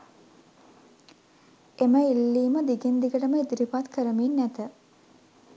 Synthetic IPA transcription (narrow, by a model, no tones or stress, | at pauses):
eməilːiːməd̪iɡind̪ikəʈəməid̪iɾipat̪kəɾəminːæt̪ə